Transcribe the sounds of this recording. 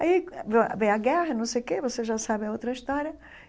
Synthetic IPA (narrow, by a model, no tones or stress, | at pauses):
aivvẽj̃ɐɡɛhɐnɐ̃w̃sejkevoseʒasabɪowt̪ɾɐist̪ɔɾjɐ